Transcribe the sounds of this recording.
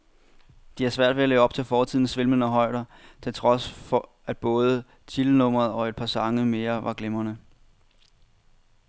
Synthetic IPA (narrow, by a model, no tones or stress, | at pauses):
d̥ihæsʋæɐ̰d̥ʋe̝æleːʊɒ̽b̥̚t͡sʰe̝lfɒːt͡sʰið̰ˠn̩sʋe̝lmən̩ɒɦɒ̽ɪ̰ɾ̥ɐt͡sʰe̝lt͡sʰʁɒ̽sfɒ | æd̥̚b̥ɔ̽ːð̞ˠə | t͡sʰilənɔ̽m̰ɐðˠɒ̽e̝d̥̚pʰɑ̈sɑ̈ŋəme̝ːɐʋɑ̈ɡ̥lemɐnə